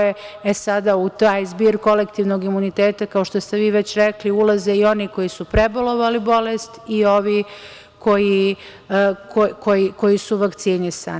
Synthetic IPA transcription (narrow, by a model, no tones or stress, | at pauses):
eesad̪aut̪aːjzbiːɾko̞lekt̪iʋnoɡimunit̪eːt̪akao̞ʃt̪ost̪eʋiːʋet͡ɕɾekliulazeio̞niko̞jisupɾebolˠo̞ʋalibo̞lest̪io̞ʋi | ko̞ji | kokojiko̞jisuʋakt̪sinisa̰ːn